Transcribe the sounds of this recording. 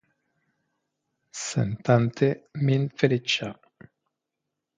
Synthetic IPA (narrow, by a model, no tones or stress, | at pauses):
sḛnt̪ant̪ʰeminfeɾit͡ʃa